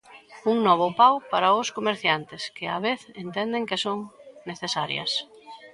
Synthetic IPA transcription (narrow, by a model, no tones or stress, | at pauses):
uŋnɔβ̞ʊpawpaɾɐʊskomeɾθjant̪ɪskɪaβeθent̪ɛnd̪eŋkɪsoŋneθesaɾjɐ̰s